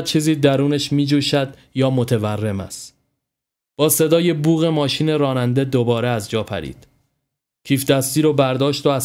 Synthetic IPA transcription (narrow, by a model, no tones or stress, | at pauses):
t͡ʃʰiːziːd̪æɾuːneʃmiːd͡ʒuːʃæd̪̥ | jɒːmo̞t̪ʰe̞værːe̞mæ̰st̪ | b̥ɒːse̞d̪ɒːje̞buːɣe̞mɒːʃiːne̞ɾɒːnænd̪e̞d̪obɒːɾeæzd͡ʒɒːpʰæ̰ɾḭːd̪̥ | cʰiːfd̪æst̪iːɾobæɾd̪ɒːʃt̪oæ